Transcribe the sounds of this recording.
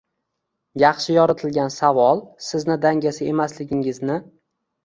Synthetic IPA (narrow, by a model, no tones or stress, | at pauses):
jɑχʃɪjɒɾɪt̪ʰɪlɡʲansavɒlˠsɪznɪd̪aŋʲasɪe̞maslɪɡʲɪŋɪznɪ